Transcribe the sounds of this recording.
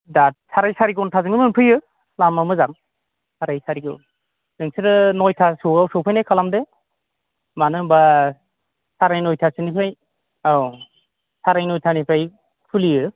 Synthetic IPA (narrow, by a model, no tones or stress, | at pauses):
dasʰaɾajsaɾiɡɔntʰazɯŋɯmɯnpʰɯjɯ | lamamɯzaŋ | saɾajsaɾiɡɯ̰n | nɯŋsɯɾɯnɔjtʰasuawsɔwpʰajnajkʰalamdɯ | manɯba | saɾajnɔjtʰasɯnipʰaj | aw | saɾajnɔjtʰanipʰaj | pʰulijɯ